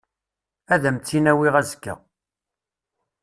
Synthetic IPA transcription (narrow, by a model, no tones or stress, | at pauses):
æðæmt͡sːinæwiʁæzkːə̰